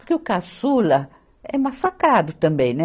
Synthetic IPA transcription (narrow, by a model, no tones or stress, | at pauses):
ɾkeʊkasulɐ | ɛmasakɾad̪ʊt̪ɐ̃mbẽj̃nɛ